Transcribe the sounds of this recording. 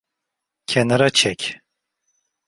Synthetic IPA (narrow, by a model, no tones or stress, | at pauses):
cʰenaɾat͡ʃʰɛc